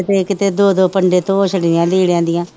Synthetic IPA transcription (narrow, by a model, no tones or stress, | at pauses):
ɪt̪eːkɪt̪eːd̪oːd̪oːpəɳɖeːt̪õːʃəɽãːliːɽjãːnd̪ɪjãː